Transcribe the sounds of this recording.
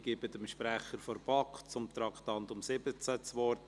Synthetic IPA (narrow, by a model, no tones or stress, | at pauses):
ɡ̥ɪbədəmʃpɾæχəɾfɔɾb̥ɑkt͡sʊmt̪ɾɑkʰt̪ɑnt̪ʊmsɪbət͡sət͡sʋɔɾt